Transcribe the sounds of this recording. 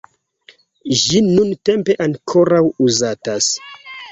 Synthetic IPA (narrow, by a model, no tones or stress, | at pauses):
ʒinunte̞mpe̞ʔaŋkʰo̞ɾawuzatas